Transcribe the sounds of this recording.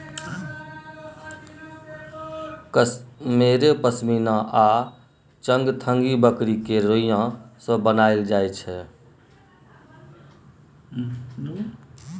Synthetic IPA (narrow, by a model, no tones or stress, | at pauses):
meɾepəsminãʔa | t͡ʃəŋɡt̪ʰəŋɡibəkɾikeɾoijãsə̃bənaɪld͡ʒajt͡ʃʰɛ